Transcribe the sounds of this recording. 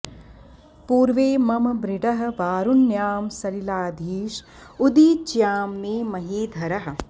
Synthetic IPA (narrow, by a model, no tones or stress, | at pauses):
puːɾʋeːmɐmɐbɾiɖɐɦɐ̆ʋaːɾunːjaːmsɐɾilaːd̪ʱiːʃ | ud̪iːt͡ʃjaːmːeːmɐɦiːd̪ʱɐɾɐɦɐ̆